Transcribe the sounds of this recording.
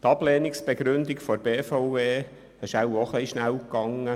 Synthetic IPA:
t̪ɑbleːniksb̥eɡɾʏnd̪ɪkfɔɾb̥eːfaʊveː | ɛʃawoχliiʃnæwkːɑŋːə

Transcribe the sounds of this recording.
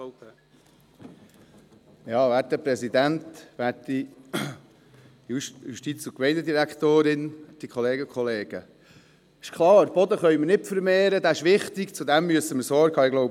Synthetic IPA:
jɑːvʋæːtəpɾɛsid̪ænt̪ʋæːtdi | jujuʃtit͡sʊkmɛɪnəd̪iɾækt̪oːɾɪnd̥ikχɔleːɡəkʰχɔleːɡ̥ə̰ | ɪʃkʰlɑːɾb̥ɔd̪əχœʏməɾnɪpfəɾmeːɾəd̪æɪʃʋɪχt̪ikt͡sudæmːyəsəməɾsɔːɾkhɑːɪɡlɔwb

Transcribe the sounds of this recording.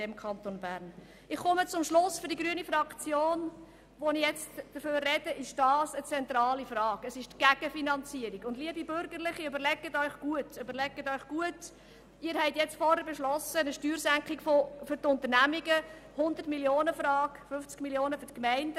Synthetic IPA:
ɛmkʰɑnt̪onbæːɾn | ɪχːɔmət͡sʊmʃlʊsfʏɾdiɡɾyənifɾɑkt͡sjoːn | ʋonɪjɛt͡std̥əførːɛd̥əʔɪʃd̥ɑːsət͡sɛnt̪ɾɑːlifrɑːkəsɪʃtɡ̥æɡ̥əfinɑnt͡siəɾiɡʊndliəbibʏɾɡəɾlɪχiøbəɾlɛɡətœʏχɡ̥uətøbəɾlɛɡːətœʏχɡ̥uət | ɪːɾhɛɪtjɛt͡stfɔɾhəɾbɛʃlɔsənəʃtyːɾsæŋkχikfofʏɾtʊnt̪əɾnæmiɡə | hʊnd̪ətmiljoːnəfɾɑːkfʏft͡skmiljoːnəfyɾtkmɛɪndə

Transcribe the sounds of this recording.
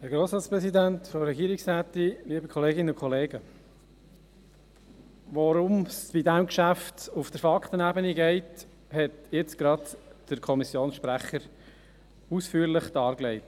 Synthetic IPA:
hæɾɡɾoːsɾɑːtspɾɛsidæntfɔɾɛɡiːɾiksɾæːtiliːbəkʰχɔleːɡɪnəʊkʰɔleːɡə | ʋɔɾʊmsb̥idæmkʃæftufd̥əɾfɑkχtənæbəniɡɛɪt | hɛtjɪt͡sɡ̥ɾɑdd̥əɾkʰɔmisjoːnsʃpɾæχəɾ | usfyːəɾlɪχd̥ɑːɾɡlɛɪt

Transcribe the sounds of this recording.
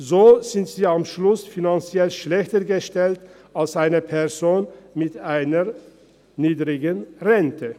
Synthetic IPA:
zoːz̥ɪntz̥iːamʃlʊsfinant͡sjɛlʃlɛçtəɡəʃtɛlt | alsʔaɪnəpʰɛɐzoːnmɪtaɪnəʁ | niːdʁɪɡənʁɛntʰə

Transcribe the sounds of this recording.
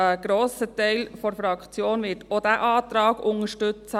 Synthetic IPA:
əɡ̥ɾoːsətɛɪlfɔɾfɾɑkt͡sjoːnʋɪːɾtʰod̪æʔɑːt̪ɾɑːɡ̥ʊŋəʃtʏt͡sə

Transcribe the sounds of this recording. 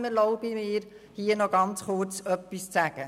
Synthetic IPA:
məlɔʊb̥imɪːɾ | hiːənɔɡɑnt͡sχʊɾt͡sœpːist͡sæɡ̥ə

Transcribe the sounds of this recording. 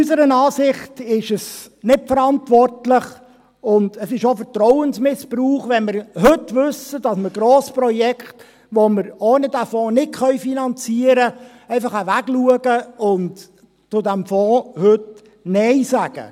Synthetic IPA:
ysəɾənɑːsɪχtɪʃəs | nɪtfəɾɑntʋɔrtlɪχ | ʊndəsɪʃofəɾtɾɔʊənsmɪspruːχʋɛnmɪɾhɵtvʏsəd̥ɑsməɾɡɾoːspɾɔjɛkχt | ʋoməɾoːnədæfɔ̃ːnɪtχœʏfinɑnt͡siːəɾə | ɛɪfɑχəʋæɡluəɡəʊnt | t͡sʊdæmfɔ̃ːhɵt | nɛɪsæɡ̥ə̰

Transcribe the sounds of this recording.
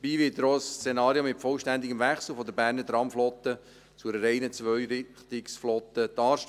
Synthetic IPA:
biːʋɪttɾɔst͡senɑːɾjomɪtfɔlʃtænd̪ɪɡəmvæχsl̩ˠfɔd̪əbæːɾnət̪ɾɑmflɔt̪ə | t͡sʊɾəɾɛɪnət͡sʋœʏɾɪχt̪ɪksflɔt̪ət̪ɑːʃ

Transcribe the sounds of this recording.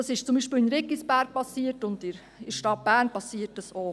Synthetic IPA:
ɑsɪʃt͡sʊmbiːʃpəːlɪnɾɪkːisbæːɾk̚pɑsiːətʊndɪɾ | ɪʃtɑt̚b̥æːɾnpɑsiːətːəso

